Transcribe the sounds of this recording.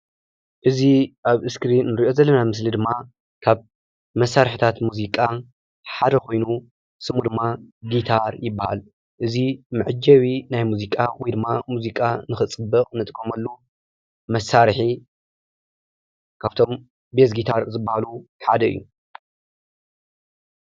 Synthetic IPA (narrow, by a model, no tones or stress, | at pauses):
ʔɨziʔaβɨskɾinːɨɾiʔo̞zɐlːɐnamɨslid̪ɨmːa | kʰaβ | mɐsːaɾħit̪ʰat̪muzikʼa | ħad̪ɐko̞jnu | sɨmud̪ɨmːaɡit̪ʰaɾjɪbːaha̰l | ʔɨzimɨʕɨd͡ʒɐwinajmuzikʼawjd̪ɨmːamuzikʼanɨxɨt͡sʼɨbɐkʼnɨt̪ʼkʼːomɐlːu | mɐsːaɾħi | kʰaβt̪ʰo̞m | besɡit̪ʰaɾzɨbːahaluħa̰d̪ɐɨ̰jːu